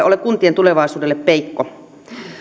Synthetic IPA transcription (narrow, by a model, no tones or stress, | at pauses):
olekunt̪ient̪uleʋɑˑisuːdelːeppeikːo